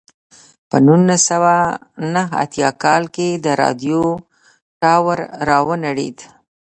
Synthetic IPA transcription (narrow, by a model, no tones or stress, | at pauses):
pənunasawanəɦa̰t̪jɑkɑlked̪əɾɑ̰d̪jo | ʈɑwəɾːɑwənaɽḭd̪